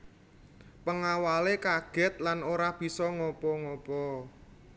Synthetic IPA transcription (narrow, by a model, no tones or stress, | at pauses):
pəŋawalekaɡ̥ɛ̤t̪̚lanoɾahb̥i̤sɔŋɔpɔŋɔpɔ